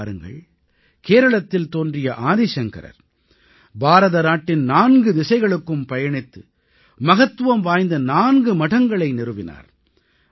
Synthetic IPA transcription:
ɾɯŋɡɐ̰ɭ | keːɾɐɭɐt̪ːɪlt̪oːndrɪjɐʔaːðeːʂɐŋkɐ̰ɾɐ̰ɾ | bʱaːɾɐðɐnaːʈːɪnnaːnɡɯd̪ɪsɐɪɣɐɭɯkːɯmpɐjɐɳɪt̪ːɯ | mɐɣɐt̪ːɯʋɐmʋaːjnd̪ɐnaːnɡɯmɐʈɐŋɡɐɭɐɪnɪɾɯʋɪna̰ːɾ

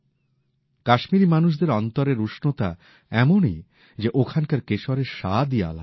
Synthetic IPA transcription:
kaʃmiɾimanuʃ̬d̪eɾɔnt̪oɾeɾuʃnot̪a̰ | ɛmonḭ | d͡ʑeʔokʰankaɾkeʃoɾeɾʃa̰d̪ia̰la̰

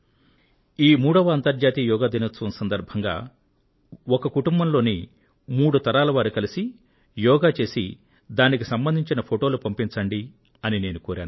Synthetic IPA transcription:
iːmuːɽɐʋɐːnt̪ɐɾd͡ʒaːt̪iːjɔːɡaːd̪ʱinɐt͡sːunsɐnd̪ɐɾbʱɐŋɡa̰ː | ɔkɐkuʈumbɐmlo̞ːni | muːɽut̪ɐɾaːlɐʋaːɾukɐlisi | jɔːɡaːt͡ʃe̞ːsḭ | d̪aːnikisɐmbɐnd̪ʱiɲt͡ʃinɐpʰoʈo̞ːlupɐmpint͡ʃɐɳɖi | ɐnine̞ːnukuːɾa̰ːn

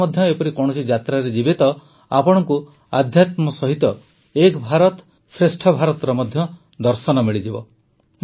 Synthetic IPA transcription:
ɔd̪ʱjɔepɔɾikɔɽ̃ɔsʰid͡ʒat̪ɾaɾed͡ʒibit̪ɔ | apɔɽ̃ɔŋku | ad̪ʱjat̪mɔsɔɦit̪ɔ | ekbʱaɾɔt̪ | sɾesʈʰɔbʱaɾɔt̪ɾɔmɔd̪ʱjɔ | d̪ɔɾsɔnɔmiɭid͡ʒibɔ | m

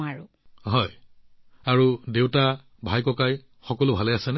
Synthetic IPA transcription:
aɹu | ɦɔj | aɹudewta | bʱajkɔkaj | xɔkɔlʊbʱalɛasɛnɛ

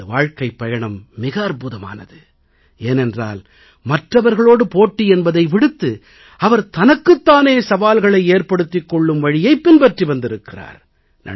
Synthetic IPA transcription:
ɐʋaːɻkɐɪpːɐjɐɳɐmːɪɣɐːrpuðɐma̰ːnɐ̰ðɯ | eːnɛndra̰ːl | mɐʈrɐʋɐɾɣɐɭoːɽɯpoːʈːiɛnbɐðɐɪʋɪɽɯt̪ːɯ | ɐʋɐɾt̪ɐnɐkːɯt̪ːaːneːsɐʋaːlɣɐɭɐɪeːrpɐɽɯt̪ːɪkːɔɭːɯmʋɐɻɪjɐɪpːɪnbɐʈriʋɐnd̪ɪɾɯkːɪra̰ːɾ | nɐ̰

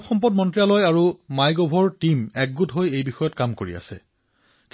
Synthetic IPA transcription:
xɔmpɔt̚mɔntɹijalɔjaɹumajɡɔbʱɔɹtimɛk̚ɡutɦojejbixɔjɔtkamkoɹḭa̰sɛ̰ | k

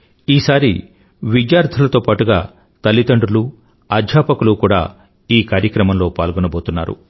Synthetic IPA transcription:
iːsaːɾḭ | ʋid͡ʒjaːɾt̪ʰɐlɐt̪o̞ːpaːʈuɡa̰ː | t̪ɐlːit̪ɐɳɖulu | ad̪ʱjaːpɐkulukuːɽa̰ː | iːkaːɾjɐkɾɐmɐmlo̞ːpaːlɡunɐbo̞ːt̪unːaːɾṵ

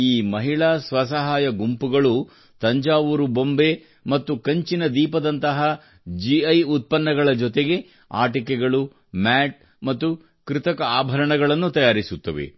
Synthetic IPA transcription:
iːmɐɦiɭaːsʋɐsɐɦaːjɐɡumpuɡɐɭu | t̪ɐɲd͡ʒaːʋuɾubo̞mbe | mɐt̪ːukɐɲt͡ʃinɐd̪iːpɐd̪ɐnt̪ɐɦɐ | d͡ʒiɐjut̪̚pɐnːɐɡɐɭɐd͡ʒɔt̪eɡe̞ | a̰ːʈikɛɡɐɭu | maːʈ̚ | mɐt̪ːu | kɾɪt̪ɐkɐaːbʱɐɾɐɳɐɡɐɭɐnːut̪ɐjaːɾisut̪ːɐʋḛ

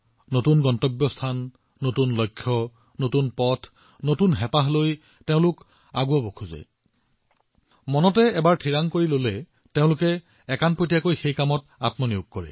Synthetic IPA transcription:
notunɡɔntɔbjɔstʰanː | otunlɔjkʰːjɔ | notunpɔtʰ | notunɦɛpaɦloj | teʊ̃lʊk | a̰ɡuabokʰuza̰j | mɔnɔtɛɛbaɹtʰiɹaŋkoɹilolɛ | teʊ̃lʊkɛ | ɛkanpɹojtijakojxejkamɔt̚ | atmɔniukːɔɹɛ̰

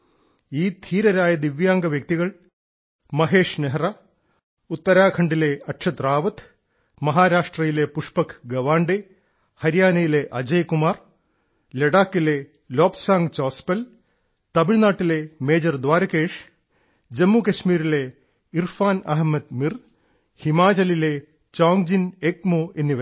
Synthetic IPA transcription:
iːd̪ʰʱiːɾɐɾaːjɐd̪iʋjaːŋɡɐʋjɐk̚t̪iɣɐɭ | mɐɦe̞ːʂneɦra | ut̪ːɐɾaːkʰɐɳɖile̞ɐʈʂʰɐt̪raːʋɐt̪ | mɐɦaːɾaːʂʈrɐjile̞puʂpɐkʰɡɐʋaːɳɖe | hɐɾjaːnɐjile̞ʔɐd͡ʑɐjkumaːr | leɽaːkːile̞ | loːpsaːŋɡt͡ɕoːspɐl | t̪ɐbiɭnaːʈːile̞meːd͡ʑɐrd̪ʋaːɾɐkeːʂ | d͡ʑemːukɐɕmiːɾile̞ | irfaːnɐɦmɐd̪mir | himaːd͡ʑɐlile̞ | t͡ɕoːŋd͡ʑinekmoːʔe̞nːiʋɐ

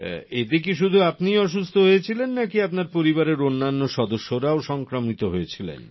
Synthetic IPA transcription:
et̪ek̬iʃ̬ud̪ʱuapnijɔʃ̬ust̪ʰoɦojet͡ɕʰilenːakiapnaɾpoɾibaɾeɾonːanːoʃɔd̪oʃːoɾaoʃɔŋkɾomit̪oɦoet͡ɕʰilḛn

